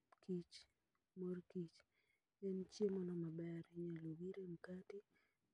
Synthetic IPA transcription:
kit͡ʃ | moɾkit͡ʃ | ɛnt͡ʃjemɔnɔmabɛɾiɲaloɡiɾem̩kati

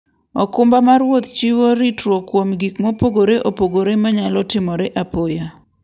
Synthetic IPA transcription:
ɔkʊmbamarwot̪t͡ʃiwoɾitɾokwomɡikmopoɡoɾeʔopoɡoɾemaɲalɔtɪmɔɾeʔapoja

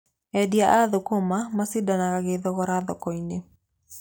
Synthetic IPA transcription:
ɛdiaʔaðokomamasidanaɣaɣeðɔɣɔɾaðɔ̰kɔine

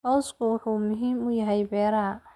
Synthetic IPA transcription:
hɔwskʰʊwɑħuːmʊɦiːmʊjɐɦɛjbɛːɾɐ

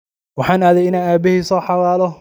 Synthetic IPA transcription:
wɑħɑːnaːðɛjɪnaːaːbɪɦhiːsɔːħɑwaːlɔ

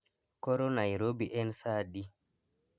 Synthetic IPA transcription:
kɔɾɔnajɾobiʔɛnsaɗi

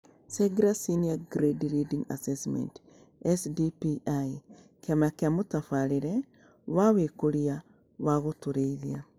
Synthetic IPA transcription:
seɡiɾasiniaɡɾediɾidiŋa̰sesmḛnt | esdipiai | kjamakjamutafaɾiɾe | wawekoɾia | waɣotuɾeiðia

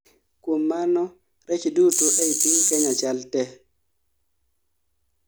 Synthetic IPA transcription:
kumːanɔ | ɾɛt͡ʃidutuʔɛjpiŋkɛɲat͡ʃaltɛ

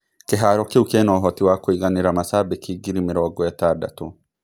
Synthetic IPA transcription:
kɛɦaːɾɔkːɛʊkenoːɦɔt̪ɪwaːkːɔɪɡɐnɪɾɐmɐsaːbɛkʰːiɡɪɾɪmɪɾowɐɡɔjɛt̪ːaːɾd̪ɐ̰t̪u

